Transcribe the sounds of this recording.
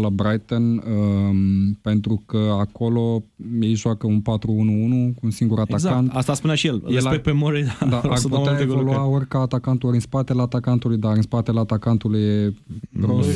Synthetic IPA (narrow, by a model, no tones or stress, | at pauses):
labɾajt̪ənə | pe̞nt̪ɾukəako̞lo̞jejʒoakəunpat̪ɾuunuunukuunsiŋɡuɾat̪azant̪ast̪aspunaʃijeljelaepemoɾed̪ad̪aartput̪eaeevoluao̞rʲkaːt̪akant̪oɾɨnspat̪e̞leat̪akant̪ulujd̪aɾɨnspat̪e̞leat̪akant̪ulujevɾost̪